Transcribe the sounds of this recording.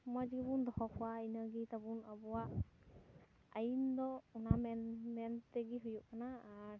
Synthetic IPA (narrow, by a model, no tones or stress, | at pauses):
mɔjzibund̪ɔhɔkʰuwainaɡit̪abunabɔwaʔ | ajind̪ɔunamɛnmɛntɛɡiɦujuʔanaːɾ